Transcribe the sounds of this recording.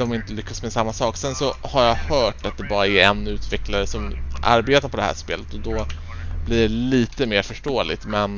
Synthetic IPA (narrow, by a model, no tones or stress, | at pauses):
ɔmɪnt̪əlʏkʰːasmɛsamːasɑːksɛnsɔhaɾjahœːʈat̪̚d̪ɛbɑːɾaæɾɛnʉ̟ːt̪vɛklaɾəsɔmʔa̰ɾbeːt̪aɾpʰɔd̪ɛhæ̰ːʂpḛːlət̪ɔd̪ɔ | bliːɖɛliːt̪əmeːɾfœʂʈoːlɪt̪mɛn